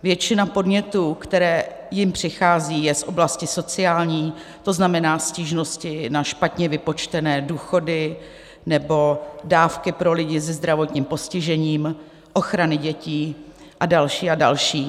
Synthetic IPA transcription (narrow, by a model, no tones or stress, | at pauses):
vjɛt͡ʃɪnapo̞dɲɛt̪uːkt̪ɛɾɛː | jɪmpr̝̥ɪxaːziːjɛsʔo̞blascɪso̞t͡sɪaːlɲiː | t̪o̞znamɛnaːsciːʒno̞scɪnaʃpat̪ɲɛvɪpo̞t͡ʃt̪ɛnɛːduːxo̞dɪ | nɛbo̞daːfkɪpɾo̞lɪɟɪzɛzd̪ɾavo̞t̪ɲiːmpo̞scɪʒɛɲiːm | ʔo̞xɾanɪɟɛciː | ʔadalʃiːadalʃiː